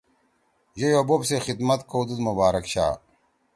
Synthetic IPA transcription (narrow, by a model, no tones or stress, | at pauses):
ʑejobobsexid̪mɐt̪kowd̪ud̪mɐbaːɾɐkɕa̰ː